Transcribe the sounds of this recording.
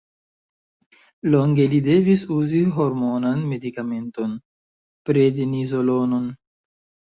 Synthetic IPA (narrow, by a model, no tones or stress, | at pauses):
lo̞ŋɡe̞lide̞visuziɦo̞ɾmo̞nanme̞dikame̞nto̞n | pɾedenizo̞lo̞no̞n